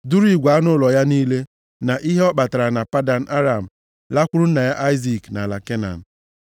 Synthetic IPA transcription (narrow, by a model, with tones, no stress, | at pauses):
dʊ˦ɾi˦ɡʷa˨a˦nʊ˦lɔ˨ja˦niː˦le˦ | na˨ʔi˦ɦe˦ɔ˦k͡pa˨ta˨ɾa˨na˨pa˦da˨n̩˨ʔa˦ɾa˨m̩˨ | la˦kʷʊ˦ɾʊ˦n̩˦na˨ja˦ʔa˦ɪ˦zi˨kna˨la˨ke˦na̰˨n̩˨